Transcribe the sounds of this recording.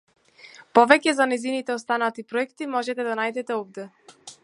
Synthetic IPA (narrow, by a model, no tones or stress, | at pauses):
pɔvɛcɛzanɛjzinit̪ɛɔst̪anat̪ipɾɔɛkt̪imɔʒɛt̪ɛd̪anajd̪ɛt̪ɛɔvd̪ɛ